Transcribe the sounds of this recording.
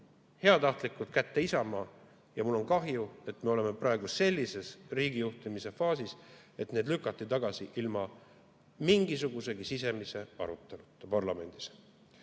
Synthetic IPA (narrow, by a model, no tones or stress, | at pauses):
he̞ɑt̪ɑht̪likːˑult̪̚kæt̪ːe̞isɑmɑ | jɑmulːo̞nkɑɦjue̞t̪me̞o̞le̞meprʔɑe̞ɡ̥use̞lʲːise̞sriːɡijuht̪imise̞fɑːsis | e̞t̪ned̪lykːˑɑt̪ːˑit̪ɑɡ̥ɑsiʔilmɑ | miŋɡisuɡ̥use̞ɡ̥isise̞mise̞ɑ̰ɾut̪ːˑe̞lut̪ˑːɑpɑrlɑme̞nd̪̥i̥s